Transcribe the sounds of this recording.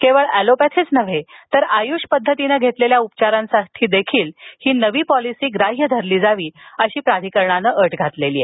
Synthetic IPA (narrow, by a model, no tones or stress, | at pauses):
keʋəɭælopɛt̪ʰet͡snəʋet̪əɾajuɕpəd̪ʱːət̪inəɡʱet̪leljaupt͡ɕaɾãnsaʈʰiːd̪ekʰiːlhiːnəʋiːpɔlisiːɡɾaɦjəd̪ʱəɾliːd͡zaʋiːəɕiːpɾad̪ʱikəɾɳanəʔəʈɡʱat̪leliːe